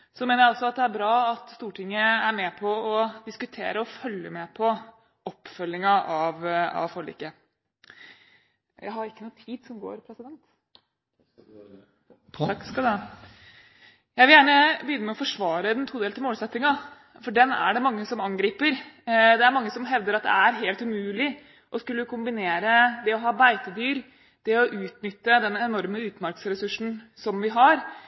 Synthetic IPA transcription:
sɔmeːnəɾjæɑlsɔɑt̪̚d̪ɛæɾbɾɑːɑt̪st̪uːʈʰɪŋːəæɾmɛpʰɔɔd̪ɪskʉt̪ʰḛːɾəɔfœlːəmɛpʰɔ | ɔpːfœlːɪŋɑʔɑʋɑ̰ʋfɔɭḭkːə | jæ̰ɪɦɑɾɪkːənuːt̪ʰiːd̪sɔmɡo̰ːɾpʰɾɛsɪd̪ɛnt̪ | ɑkːskɑld̪ɛ | jæɪʋɪljæːɳəbəjʏnːəmɛɔfɔʂʋɑːɾəɛnt̪ʰuːd̪eːlt̪ʰɪmoːlsɛt̪ːɪŋɑ | fɔɖɛnːæ̰ɖɛmɑŋːəsɔmɑŋɡɾiːpəɾd̪ɛæɾmɑŋːəsɔmɦɛʋd̪əɾɑt̪̚d̪ɛ̰æɾɦeːlt̪ʉmʉːlɪ | ʔɔskʉlːəkʊmbɪneːɾəd̪ɛɔɦɑːbæɪt̪əd̪yːɾ | d̪̥ɛɔʔʉːt̪nʏt̪ːəd̪ɛnɛnɔɾməʉːt̪mæɾksɾɛsʉʂn̩sɔmʋɪɦɑɾ

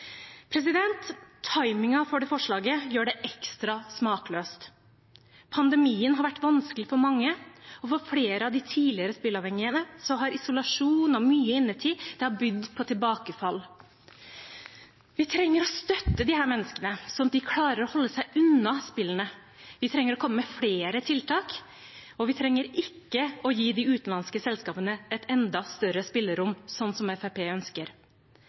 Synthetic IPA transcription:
pʰɾɛs̬ɪd̪ɛnt̪ʰːɑɪmɪŋɑfɔɖɛfɔʂɭɑːɡəjøːɖɛʔɛkst̪ɾɑsmɑːkløːst̪ | pʰɑnd̪ɛmiːənɦɑɾʋæʈːʋɑnskəlɪfɔɾmɑŋːəɔfɔɾfleːɾəɑʋd̪ɪt̪ʰiːlɪəɾəspɪlɑʋhɛŋːɪənəsɔɦɑɾɪsʊlɑʂuːnɔmyːəɪnːəʈ̪ʰiːd̪̥ɛhɑɾbʏd̪pʰɔt̪ʰɪlbɑːkəfɑl | ʋɪt̪ʰɾɛŋːəɾɔst̪œt̪ːəd̪ɪhæːɾmɛnːəskənəsɔd̪ɪkʰlɑːɾəɾɔhɔlːəsæɪʔʉnɑspɪlːənə | ʋɪt̪ʰɾɛŋːəɾɔkʰɔmːəmɛfɽeːɾət̪ʰɪlt̪ʰɑːk | ɔʋɪt̪ʰɾɛŋːəɾɪkːəɔjiːd̪ɪʉːt̪n̩lɑnskəsɛlskɑːpənəɛt̪ɛnd̪ɑst̪œɾəspɪlːəɾʊmːsɔnːsɔmɛfæpʰeːœnskəɾ

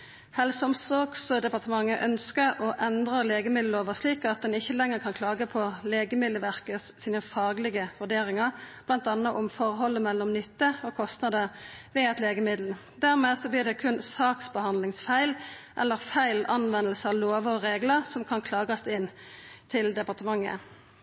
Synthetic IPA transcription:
hɛlsɔmsɔʁɡsd̪ɛpɑʁt̪əmɑŋːəʔœnskəɾɔʔɛnd̪ʁəleːɡəmɪd̪l̩oːʋəsliːkɑt̪̚d̪ɛnɪçːəlɛŋːəʁkʰɑnkʰlɑːɡəpʰɔleːɡəmɪlːəʋæʁkəssiːnəfɑːɡlɪɡəʋʉɖ̪eːɾɪŋəʁb̥lɑnt̪ɑnːəʔʊmfɔʁɦɔlːəmɛlːɔmnʏt̪ːəɔkʰɔst̪nɑd̪əʋɛɛt̪leːɡəmɪd̪l̩ | d̪æʁmeːdsɔbliːd̪ɛkʰʉnsɑːksbəhɑnd̪lɪŋsfæɪlʔɛ̰lːəʁfæɪlɑnʋɛnəlsəɑʋloːʋəɔʁeːɡləʁsɔmkʰɑnkʰlɑːɡɑst̪ɪnt̪ʰɪld̪ɛpɑʁt̪əmɑŋːə̰

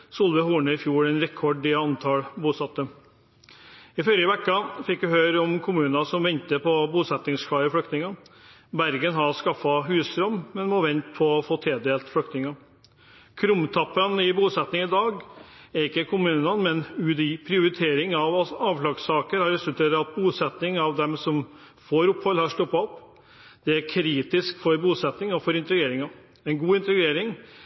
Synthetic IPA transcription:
sʊlʋəhuːɳəɪfjuːɾɛɪnɾɛkʰːɔɖɪɑnt̪ʰɑlbuːsɑt̪ːə | ɪfœɾəəʋɛkːɑfɪkːʋɪhøːɾɔmkʰʊmʉːnɑsɔmʋɛnt̪əpʰɔbuːsɛt̪nɪŋskʰɑɪfɽʏkt̪nɪŋɑ | bæɾɡənɦɑɾskɑfːɑɦʉːst̪ɾœmːmɛnmɔʋɛnt̪pʰɔɔfoːt̪ʰeːd̪eːlt̪fɽʏkt̪nɪŋɑ | kʰɾʊmt̪ʰɑpːənɪbuːsɛt̪nɪŋɪd̪ɑːɡæɾɪkːəkʰʊmʉːnɑnmɛnʉːd̪ɪpʰɾɪʊɾɪt̪ʰeːɾɪŋɑʋɑɑːʋflɑːɡsɑːkəɾhɑɾɛsʉlt̪ʰeːɾəɾɑt̪̚buːsɛt̪nɪŋɑʋd̪ɛmsɔm | foːɾʊpːhɔlːhɑʂʈ̪ɔpːɑɔp | d̪̥ɛæɾkʰɾiːt̪ɪskfɔɾbuːsɛt̪nɪŋɔfɔɾɪnt̪əɡeːɾɪŋɑ | ɛɪnɡuːɪnt̪əɡeːɾɪŋ

